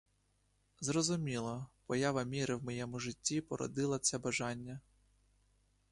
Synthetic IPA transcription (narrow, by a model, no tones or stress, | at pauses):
zrɔzʊmʲilˠɐpɔjɑʋɐmʲiɾɪwmɔjɛmʊʒɪtʲːipɔɾɔ̰d̪ɪlˠɐsʲɛbɐʒɑnʲːɐ